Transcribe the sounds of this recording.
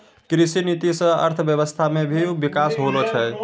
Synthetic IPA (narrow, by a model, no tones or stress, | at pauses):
kɾisinit̪isə̃ə̰ɾt̪ʰəbjəβəst̪ʰamebʱibikasɦolot͡ʃʰɛ